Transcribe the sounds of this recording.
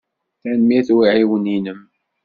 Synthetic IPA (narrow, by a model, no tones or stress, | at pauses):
θænmiθwiʕiwəninəm